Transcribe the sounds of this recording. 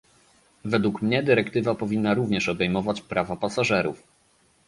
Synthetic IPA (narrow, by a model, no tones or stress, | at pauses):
vɛd̪wukmɲɛd̪ɘɾɛkt̪ɘvapɔvʲinːaɾuvɲɛʂɔbɛjmɔvat͡ɕpɾavapasaʐɛɾuf